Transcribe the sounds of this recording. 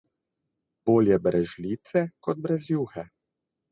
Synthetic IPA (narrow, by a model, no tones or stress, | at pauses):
b̥oːljɛbɾʔɛʒliːt̪sɛkɔd̪̚bɾɛzjuːxɛ